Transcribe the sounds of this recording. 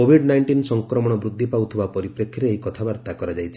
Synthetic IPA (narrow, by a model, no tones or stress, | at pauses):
obʱiɖnajɳʈinsɔŋkɾɔmɔɽ̃ɔbɾud̪ʱːipawt̪ʰibapɔɾipɾekʰːjɔɾeːjkɔt̪ʰabaɾt̪akɔɾad͡ʒajt͡ʃʰi